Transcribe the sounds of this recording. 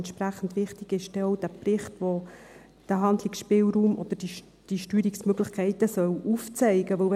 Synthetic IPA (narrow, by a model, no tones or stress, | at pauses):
nt̪ʃpræχən̩dʋɪχtiɡ̥ɪʃd̥ɛɔwd̥æːprɪχtʋo | d̥æɦɑnd̪lɪksʃpɪlɾuːmʔɔ̰d̪̥əd̥i | d̥iʃtyːɾiksmøɡləχkʰɛɪtəsœwuft͡sɛɪɡəʋɵl